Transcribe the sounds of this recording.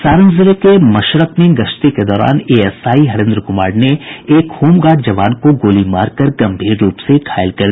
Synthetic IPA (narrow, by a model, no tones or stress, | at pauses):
saːɾə̃nzɪɾekemɐʃɾəknẽɡɐʃt̪iked̪ɔːɾa̰ːneːɛsaːiɦɐɾẽːnd̪ɾəkʊmaːɽneeːkhuːmɡaːʈ̚d͡ʒɐʋaːnkoɡoːlimaːɾkəɾɡɐ̃mbʱiːɾːuːpsekʰaːɪlkɐɾd̪